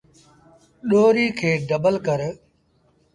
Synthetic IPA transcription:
ɗoːɾiːkʰeːɖəbəlkəɾ

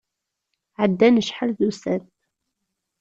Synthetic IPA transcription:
ʕəd̪ːænəʃħəlðusæn

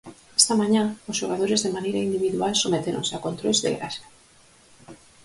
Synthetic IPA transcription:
e̥st̪amãɲãozʝoɣað̞oɾezðemanejɾaind̪iβiðualsomet̪eɾõ̰nseakont̪ɾojzðḛɣɾasa

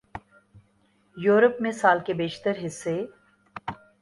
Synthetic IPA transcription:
juːɾəpmẽsaːlkebeːʃt̪əɾɦɪsːe

